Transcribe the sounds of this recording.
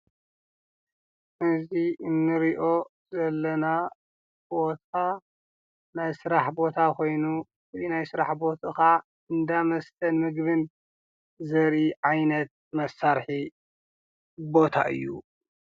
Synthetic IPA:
ʔɨziʔɨnːɨɾiʔo̞zɐlːɐna | bo̞t̪ʰa | najsɨɾaħbo̞t̪ʰakʰo̞jnu | inajsɨɾa̰ħbo̞t̪ʼɨxa | ɨnd̪amɐst̪ʰɐnmɨɡbɨn | zɐɾiʕajnɐt̪̚mɐsːaɾħi | bo̞t̪ʰa̰ʔɨ̰jːṵ

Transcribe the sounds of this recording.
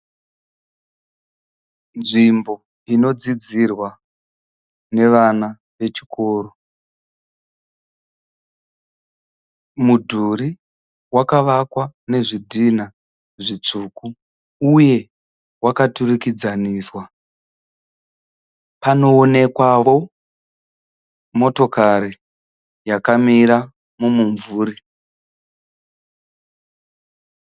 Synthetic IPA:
nʐimbo̞ | ino̞d͡zid͡zirwa | ne̞ʋana | ʋe̞t͡ʃi̥ko̞ːro | mudʱuɾi | wakaʋakwane̞ʐidʱina | ʐit͡ʂuːku | uje̞ | wakaturikid͡zaniːswa | pano̞ːne̞kwao̞ | mo̞to̞kʰaɾi | jakamiɾa | mumuɱvuːɾi

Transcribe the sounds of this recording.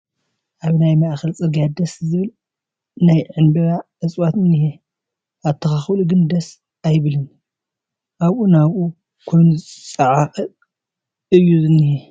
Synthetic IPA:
ʔaβnajmaʔxɐlt͡sʼɨɾɡad̪ɐszɨβɨl | najʕɨnbɐɾaʕɨt͡sʼwat̪ɨnːihe | ʔat̪ʰːɐxaxluɡɨnd̪ɐs | ajβɨlɨn | ʔaβʔunaβʔu | kʰojnʼt͡sʼɐʕafʼɐ | ʔɨjːuzɨnːihe

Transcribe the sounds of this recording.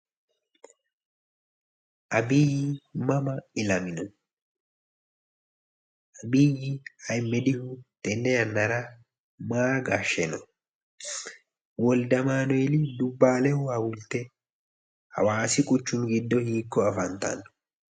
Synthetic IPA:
ʔɐbiːjɪmɐmɐɪlɐmɪnɔ | ʔɐbiːjɪhɐjmːɛd̪ɪhut̪ʼɛnːɛjɐnːɐɾɐ | maːɡaːʃɛnɔ | wɔld̪ɐmaːnɔɛlɪd̪ʊbːaːlɛhʊhɐwʊlt̪ɛ | hɐ̰waːsɪkʼʊt͡ʃːʊnɡɪd̪ːɔhiːkːɔɐfɐnt̪ɐ̰n

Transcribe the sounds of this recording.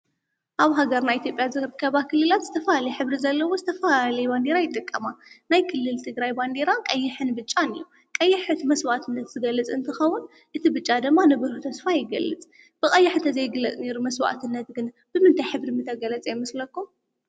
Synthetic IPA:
ʔaβɦaɡɐɾnajʔit̪jo̞pʼjazɨɾɨkʰːɐβakʰɨlːɨlat̪z̥ɨt̪ʰɐfɐlalɐjɛħɨβɾizɐlːɐwozɨt̪ʰɐfalalɐjband̪eɾajɪt̪ʼɨkʼːɐmanajkʰɨlːɨlt̪ʰɨɡɾajband̪eɾakʼɐjːɪħɨnbɨt͡ʃʼːanɨ̰jːu | kʼɐjːɪħɨt̪mɐswaʔt̪ʰɨnːɐt̪z̥ɨɡɐlːɨt͡sʼɨnt̪ʰɨxɐwːʊn | ʔɨt̪ʰibɨt͡ʃʼːad̪ɨmːanɨβɨɾut̪ʰɐsfajɪɡɐ̰lːɨt͡sʼ | b̥ɨkʼɐjːɪħt̪ʰɐzɐjɡɨlɐneɾumɐswa̰ʔt̪ʰɨnːɐt̪ɡɨn | b̥ɨmɨnt̪ʰajħɨβɾimɨt̪ʰɐɡɐlɐt͡sʼajmɐslɐkːum

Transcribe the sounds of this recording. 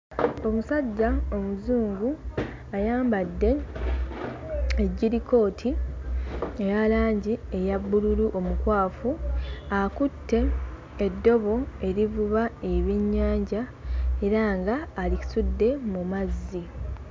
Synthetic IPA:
o̞musaɟːaomuzuːŋɡu | ajaːmbadːe̞ | eɟːiɾiko̞ːtʰi | ejalaːɲɟie̞jabːululuʔo̞mukwaːfuakutːe̞ː | dːo̞βo̞e̞ɾivuβae̞βiɲːaːɲɟae̞ɾaŋɡaːliki̥sudːe̞mumazːi

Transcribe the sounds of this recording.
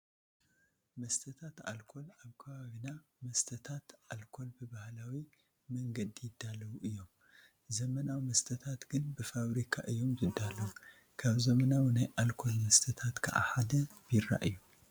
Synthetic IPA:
mɐst̪ʰɐt̪ʰat̪a̰lkʰo̞laβkʰɐβaβinamɐst̪ʰɐt̪ʰat̪ʔalkʰo̞lbɨbahlawi | mɐŋɡɐd̪ijɪd̪ːalːɐwuʔɨjːo̞m | zɐmɐnawmɐst̪ʰɐt̪ʰat̪ɡ̥ɨnbɨfaβɾikʰaʔɨjːo̞mzɨd̪ːalːɐwu | kʰaβzɐmɐnawnajʔalkʰo̞lmɐst̪ʰɐt̪ʰat̪kʰɨ̰ʔa̰ħad̪ɐbɪɾːa̰ʔɨjːu

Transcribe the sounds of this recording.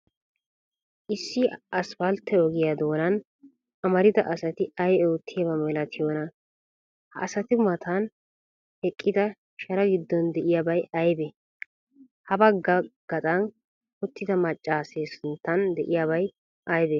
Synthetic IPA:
ʔɪsːɪɐsfɐlt̪ːɛɔɡɪjad̪o̞ːnɐn | ʔɐmɐɾɪd̪ɐʔɐsɐt̪ɪɐjoːt̪ʰːɪjɐbɐmɛlɐt̪ʰɪjoːnɐ | hɐʔːsɐt̪ɪmɐt̪ʰan | hɛkʼːɪd̪ɐ | ʃɐɾɐɡɪd̪ːɔnd̪ɛʔɪjabɐjɐjbɛ | hɐbɐɡɡ̥ɐt̪ʼɐn | ʊt̪ːɪd̪ɐmɐt͡ʃʼːaːseːsʊnt̪ːɐnd̪ɛʔɪjabɐj | ʔɐjbɛ

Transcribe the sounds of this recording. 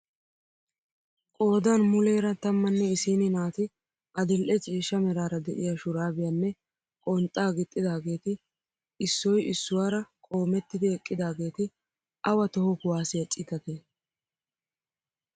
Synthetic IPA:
kʼo̞ːd̪anmʊle̞ːɾɐt̪ɐmːɐnːɛɪsiːnɪnaːt̪ɪ | ɐd̪ɪlʔɛt͡sʼiːʃːɐmɛɾaːɾɐd̪ɛ̰ʔɪjaʃʊɾaːbɪjanːɛ | kʼɔnt̪ʼːaːɡɪt̪ʼːɪd̪aːɡe̞ːt̪ɪ | ɪsːɔjɪsːʊwaːɾɐkʼo̞ːmɛt̪ːɪd̪ɪɛkʼːɪd̪aːɡe̞ːt̪ɪ | ʔɐwɐt̪ɔhɔkʊwaːsɪjɐt͡sʼɪt̪ɐt̪e

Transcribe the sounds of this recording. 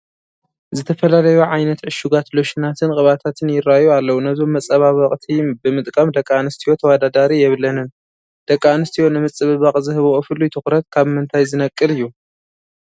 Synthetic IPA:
zɨt̪ʰɐfɐlalɐjuʕajnɐt̪ʕɨʃuɡat̪loʃinat̪ʰɨnkʼɨβat̪ʰat̪ʰɨnjɪrːajualːɐwunɐzo̞mːɐt͡sʼɐβaβɐχʼt̪ʰibɨmɨt̪ʼkʼɐmd̪ɐkʼːaanɨst̪ʰijo̞t̪ʰɐwad̪ad̪aɾijɛβlɐnɨn | d̪̥ɐkʼːanɨst̪ʰijo̞nɨmɨt͡sʼːɨβɨβaχʼzɨhɨβʔofɨlːujt̪ʰɨxɾɐt̪̚kʰaβmɨnt̪ʰajzɨnɐkʼːɨlɨjːu

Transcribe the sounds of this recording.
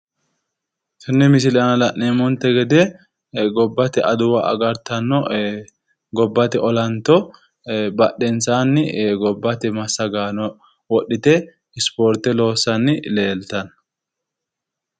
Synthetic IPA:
tʊnːɛmɪsɪlɐnɐlɐʔːeːmɔnt̪ːɛɡɛd̪ɛ | ɡɔbːɐt̪ɪʔɐd̪ʊwɐʔɐ̰ɡɐɾt̪ɐnːɔ | ɡɔbːɐt̪ɪʔɔlɐnt̪ɔ | bɐɗɛnsaːnːɪɡɔbːɐt̪ɪmɐsːɐɡaːnɔ | wɔɗːɪt̪ɛ | ɪspoːɾt̪ɛlo̞ːsːɐnːɪleːlt̪ɐn

